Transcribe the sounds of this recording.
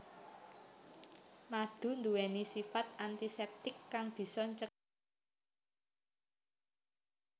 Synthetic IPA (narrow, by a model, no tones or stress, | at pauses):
mad̪̥ṳnd̪uwɛnisifat̪̚ant̪isɛp̚t̪ɪkːaŋb̥i̤sɔɲt͡ʃə